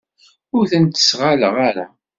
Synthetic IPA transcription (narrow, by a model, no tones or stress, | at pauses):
ʊɾθənt̪ə̥sʁaləʁaɾa̰